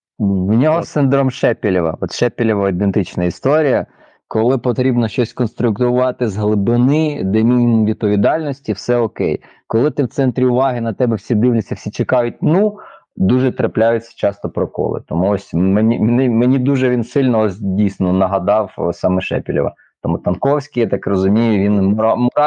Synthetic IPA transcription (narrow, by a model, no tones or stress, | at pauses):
wnʲɔɦɔsɪnd̪ɾɔmʃɛpʲilʲiʋɐ̰ɔt̪ʃɛpʲilʲɪʋɐid̪ent̪ɪt͡ʃnɐist̪ɔɾʲijɐ | kɔlˠɪpɔt̪ɾʲibnɔʃt͡ʃɔsʲkɔnst̪ɾʊkt̪ʊʋɑt̪ɪzɦlˠɪbɪnɪd̪ɛmʲinʲimʋʲid̪̚pɔʋʲid̪ɑlʲnɔsʲtʲiwsɛɔkɛ̰j | kɔlˠɪt̪ɪwt̪sɛnt̪ɾʲiʊʋɑɦɪnɐt̪ɛbɛwsʲid̪ɪwlʲɪt͡sʲːɐwsʲit͡ʃekɑjʊt̚ʲnu | d̪uʒɛt̪ɾɐplʲajʊt͡sʲːɐ̥t͡ʃɑst̪ɔpɾɔkɔ̰lˠɪ̰t̪ɔmuɔsʲmenʲimnɪmenʲid̪uʒɛʋʲinsɪlʲnɔɔsʲdʲijsʲnɔnɐɦɐd̪ɑwsɑmɛʃɛ̰pʲilʲɔ̰ʋɐ̰ | t̪ɔmut̪ɐnkɔwsʲkʲijɑt̪ɑkrɔzʊmʲijʊʋʲinmmɔɾɑ